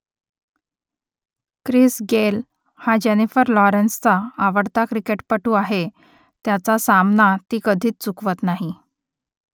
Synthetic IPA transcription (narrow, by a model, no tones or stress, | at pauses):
kɾisɡel | had͡ʑenifəɾlɔɾənst͡saːʋəɽt̪akɾikeʈpəʈuːaɦe | t̪jat͡sasamnat̪iːkəd̪ʱiːt͡st͡sukʋət̪naɦi